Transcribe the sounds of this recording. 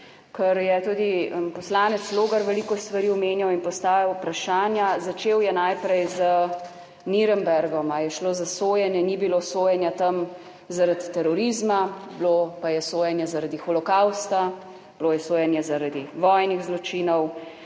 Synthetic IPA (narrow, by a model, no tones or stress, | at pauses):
kəɾjɛt̪uːd̪ipɔslaːnɛt̪sloːɡaɾʋɛlikɔst̪ʋaɾiːɔmeːnjawinpɔst̪aːjawpɾaʃaːnjazat͡ʃeːwjɛnajpɾɛjzə | niɾɛmbɛɾɡɔmajɛʃloːzasoːjɛnjɛnibilosoːjɛnjat̪ɐm | zaɾat̪t̪ːɛɾɔɾizmablopajɛsoːjɛnjɛzaɾad̪ixɔlɔkawst̪a | b̥lojɛsoːjɛnjɛzaɾad̪iʋɔːjniɣzlɔt͡ʃiːnɔw